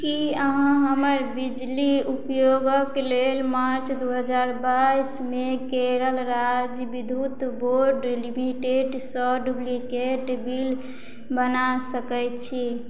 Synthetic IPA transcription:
kiəɦãɦəməɾbid͡ʒliupjoɡəklelmaɾt͡ʃʰd̪uɦəd͡ʒaɾbaismekeɾəlɾad͡ʒjbid̪ʱut̪boɾɖlimiʈeɖsəɖublikeʈbil | bənasəkɛjt͡ʃʰi

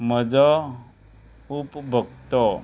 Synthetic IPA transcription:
m̤əd͡zɔ | upbʱəɡ̚t̪ɔ

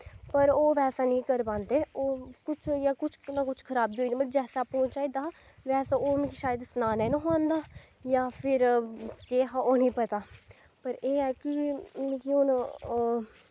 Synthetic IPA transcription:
pəɾoːʋɛːsaːnĩːkəɾbãːnd̪eːoːkʊt͡ʃʰjaːkʊt͡ʃʰnãːkʊt͡ʃʰkʰəɾaːbd̪iːoːid̪iːməd͡ʒɛːsaːpõːt͡ʃaːiːd̪aː | ʋɛːsaːoːmẽkiʃaːjəd̪snaːnɛ̃ːnːɦoːãnd̪aː | jaːpʰɪɾkeːɦaʔoːnĩːpət̪aː | pəɾeːɛːkimĩːkion

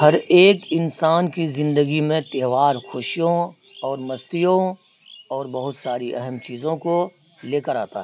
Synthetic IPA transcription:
hɐɾeːkɪnsaːnkizɪ̃nd̪əɡimẽt̪eːʋaːɾxʊʃijõ | ɔːɾmɐst̪ijõ | ɔːɾbɐɦʊt̪saːɾiʔɛɦəmt͡ʃiːzõko | leːkəɾa̰ːt̪a̰ɦɛː

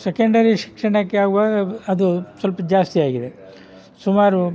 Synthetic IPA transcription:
sekɐɳɖɐɾiʃi̥kʂɐɳɐkːeaːɡuʋaːɡɐɐd̪usʋɐlpɐd͡ʒaːst̪iaːɡid̪e̞ | sumaːɾu

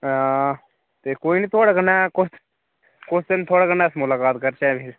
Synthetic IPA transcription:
ã | t̪ekoːinit̪ʰoːɽakənaːkʊs | kʊst̪ent̪ʰoːɽakənaːsmʊlaːkaːt̪kəɾt͡ʃaːpɪɾ

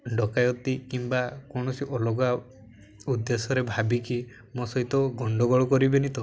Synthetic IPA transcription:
ɖɔkajɔt̪ikimbakɔɳ̃ɔsiʔɔlɔɡa | ud̪ːesɔɾebʱabiki | mɔsɔɦit̪ɔɡɔɳɖɔɡɔɭɔkɔɾibenit̪ɔ

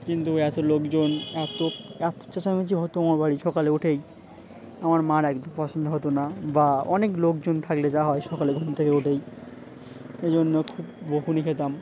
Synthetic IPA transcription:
kint̪uɛt̪olokd͡ʑonɛt̪oɛt̪o̥t͡ɕet͡ɕamet͡ɕʰiɦɔt̪oamaɾbaɽiʃɔkaleoʈʰej | amaɾmaɾɛkd̪ʱompɔsʰond̪ʱoɦot̪onabaɔneklokd͡ʑont̪ʰakled͡ʑaɦɔeʃɔkaleɡʱɔnt̪ʰekeoʈʰej | ed͡ʑonːokʰubboɦunikʰet̪am

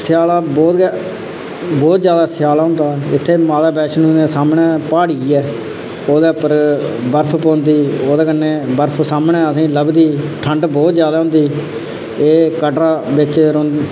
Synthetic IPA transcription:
sɪjaːlaːbɔːt̪ | bɔːt̪d͡ʒjaːd̪aːsjaːlaːɦʊ̃nd̪aːɪt̪ʰːeːmaːd̪aːbɛːʃnũːnẽːsaːmnɛːpaːɽiːɛː | oːd̪eːpəɾbəɾpʰpõːnd̪iːoːd̪eːkənːeːbəɾpʰsaːmɳɛːəsĩːləbd̪iːʈʰəɳɖbɔːt̪d͡ʒjaːd̪aːɦʊ̃nd̪iː | eːkəʈɾaːbɪt͡ʃɾõːn

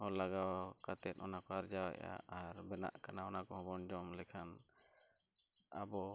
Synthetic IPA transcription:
ɔlaɡawkat̪ɛt̪̚ˀɔnakɔaɾd͡ʒawa̰ʔa̰aɾbɛna̰ʔkanaɔnakɔɦɔ̃bɔnd͡ʒɔmlɛkʰan | a̰bɔ

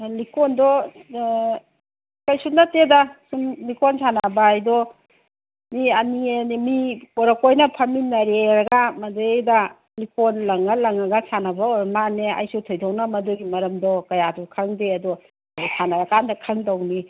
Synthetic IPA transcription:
likondɔ | kajsunatedasumlikonsanabaajdɔ | miɐnienimiɔɾɐkojnɐpʰɐminɐɾeɾɐɡamɐdeejda | likonlɐŋalɐŋɐɡasanɐbaɔɾmanea̰jsutʰɔjtʰɔwnamɐduɡimɐɾɐmdɔkɐjadukʰɐŋdeɐdɔ | abɔsʰanaɾakandɐkʰaŋdawni

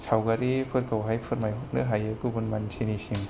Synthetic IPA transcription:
sʰawɡaɾipʰɯɾkawɦajpʰɯɾmajɦuk̚nɯɦajɯkɯbunmantʰinisiŋ

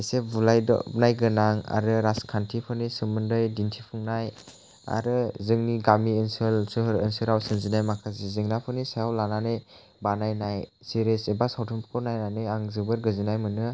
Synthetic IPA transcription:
esebulajdɔ̰ɯ̰p̚najɡɯnaŋa̰ɾɯɾaskʰantʰipʰɯnisɯmɯndɯjdintʰipʰuŋnaj | a̰ɾɯzɯŋniɡamiɯnsɯlsɯɾɯnsɯɾawsɯnzinajmakʰazezɯŋnapʰɯnisajawlananɯj | banajnaj | siɾesebasawtʰumpkʰɔnajnanɯjaŋzɯbɯɾɡɯzinajmɯnɯ

